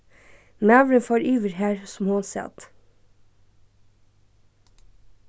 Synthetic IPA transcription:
mæʋɾəfɔɾyːʋəɾhæːɹsm̩hʊnsɛ̰t̪

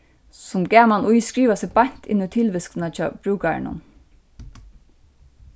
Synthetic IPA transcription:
sʊmɡæːmanʔʊjskɹiːʋasɛbɑɲ̥t̪ʰɪ̰nʊt̪ʰɪlʋɪsknɑt͡ʃʰɑ̰ːb̥ɾʉːkaɹ̰nʊ̰n

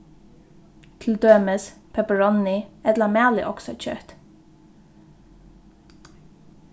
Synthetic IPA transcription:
t̪ʰɪld̪øːməspʰɛpəɹɔnːɪɛt̪lamæːlɪ̰ʔɔksɔ̰t͡ɕʰœ̰t̪

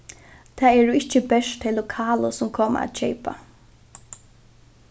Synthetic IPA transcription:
t̪ʰaːɛːɹʊɪht͡ʃːəbɛʂtt̪ʰɪlːʊkʰaːləsʊmkʰoːma̰a̰t̪̚t͡ʃɛjpa̰

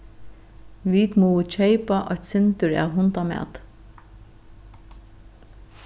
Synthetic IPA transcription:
ʋiːt̪muːt͡ʃʰeɪpaʔɑ̰t̪sɛnt̪əɹæ̰ːɦʊnt̪amæ̰ːt̪

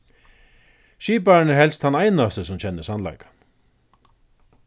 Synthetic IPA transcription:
ʃiːpaɹnəɾhɦɛlst̪hanajnast̪əsʊmt͡ɕʰɛnːɪsanla̰jkḁ

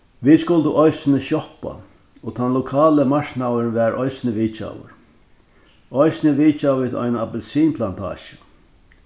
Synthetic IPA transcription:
viːd̪skʊlt̪əʔɔjsɪnɪʃjɔhpa̰ | ɔt̪ʰanlʊkʰaːləmaɹknawəɾnʋɛːɾʔɔjsnɪʋiːt͡ʃa̰wʊ̰ɾ | ɔjsnɪʋiːt͡ʃaʋiːðɔ̰jnapɛlsiːnpʰlant̪ʰa̰ːʃə̥

